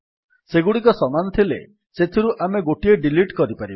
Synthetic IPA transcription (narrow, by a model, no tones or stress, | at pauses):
seɡuɽikɔsɔmanɔt̪ʰilḛ | set̪ʰiɾuʔameɡoʈieɖiliʈkɔɾipaɾib